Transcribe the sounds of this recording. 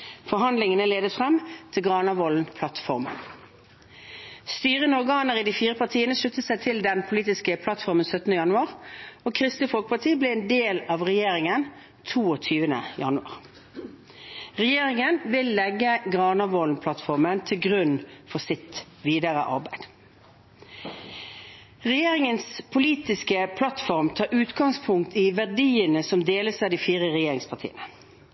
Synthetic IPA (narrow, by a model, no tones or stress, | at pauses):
fɔʁɦɑnd̪lɪŋənəleːd̪əfʁɛmːt̪ʰɪlɡʁɑːnɑʋɔːln̩pʰlɑt̪fɔʁmə̰n | st̪yːʁənɔʁɡɑːnəʁid̪iːfiːʁəpɑt̪ʰiːənəʂʉt̪ːəsæɪt̪ʰɪld̪ɛnpʰʊliːt̪ɪskəpʰlɑt̪fɔʁmənsœt̪ənəjɑnʉɑːʁoːkʰʁɪst̪ɪfɔlkəpɑt̪ʰiːblɛɛːnd̪eːlɑʋʁɛjeːɾɪŋən | t̪ʰuːɔt̪ʰyːʋənə̰jɑ̰nʉɑ̰ːʁ | ʁɛjeːʁɪŋənʋɪlːɛɡːəɡʁɑːnɑʋoːlnpʰlɑt̪fɔʁmənt̪ʰɪlɡʁʉnfɔsɪt̪ | ʋiːd̪əʁə̰ʔɑ̰ʁbæɪd̪̥ | ʁɛjeːʁɪŋənspʰʊliːt̪ɪskəpʰlɑt̪fɔʁmt̪ʰɑːʔʉːt̪ɡɑŋspʰʊŋkt̪ʰiːʋæɖiːənəsɔmd̪eːləsɑd̪iːfiːʁəʁɛjeːɾɪŋspʰɑʁtʰḭːənə